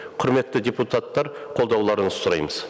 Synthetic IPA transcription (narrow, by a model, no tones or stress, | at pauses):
qʰʊɾme̞t̪ːɪd̪ʲeput̪at̪ːɑɾqʰolˠd̪ɑwlˠɑɾənsʊɾɑ̰jməz̥